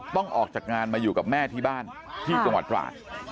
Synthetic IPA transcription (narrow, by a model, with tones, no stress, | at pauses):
t̪ɔ˥˩ŋʔɔː˨˩k̚t͡ɕaː˨˩k̚ŋaː˧nmaː˧juː˨˩ka˨˩p̚mɛː˥˩t̪ʰiː˥˩baː˥˩nt̪ʰiː˥˩t͡ɕa˧ŋwa˨˩t̪̚pɾa̰ː˨˩t̪̚